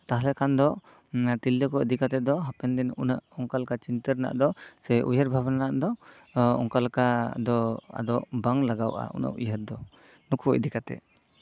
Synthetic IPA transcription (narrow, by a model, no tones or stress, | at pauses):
t̪aɦlɛkand̪ɔ | t̪ilːəkɔəd̪ikat̪ɛd̪ɔɦapɛnd̪inunəʔɔŋkalkat͡ʃint̪əɾna̰ʔd̪ɔsɛʔujəɾbʱabnanaʔd̪ɔ | ɔ̰ŋkalkad̪ɔa̰d̪ɔʔbaŋlaɡawʔa̰ʔṵnə̰ʔujəɾd̪ɔ | nukuə̰d̪ikat̪ɛ̰